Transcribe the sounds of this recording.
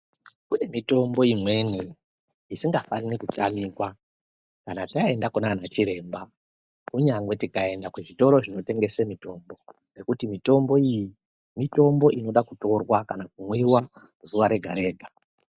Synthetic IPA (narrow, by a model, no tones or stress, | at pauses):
kune̞mito̞mbo̞imwe̞ni | isiŋɡafanikut͡ʃamikwa | kanatae̞ndakunanat͡ʃiɾe̞ːmba | kuɲaŋwe̞tikae̞ndakuʐito̞ɾo̞ʐino̞te̞ŋɡe̞semito̞mbo̞ | ne̞kutimito̞mbo̞iji | mito̞mbo̞ʔino̞ɗakuto̞rwakanakumwiwa | zuʋaɾe̞ɡʱa̰ɾe̞ːɡʱa